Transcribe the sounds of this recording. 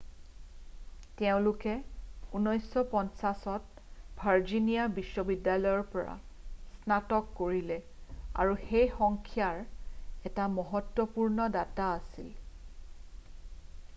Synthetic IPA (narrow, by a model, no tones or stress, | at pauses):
tɛʊ̃lʊkɛunɔjsːɔpɔnsasɔt̚ | bʱaɹd͡ʒinijabisːɔbidːalɔjɔɹpɔɹa̰ | snatɔkːoɹilɛa̰ɹuxejxɔŋkʰijaɹɛtamɔɦɔtwɔpuɹnɔdataːsil